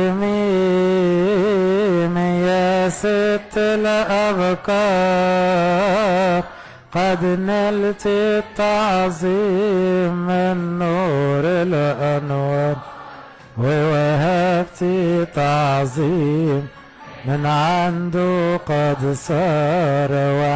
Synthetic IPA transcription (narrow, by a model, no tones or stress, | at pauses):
mi | mɪjæsɪt̪ːɪlaʔabkɑ | ɾ | qɑd̪nɪlt̪it̪ːɑʕzˤi | mːɪnːuɾɪlʔanwæːn | wɪwaɦæbt̪it̪ɑʕzˤimː | ɪnʕand̪uqɑd̪sˤɑɾˤwa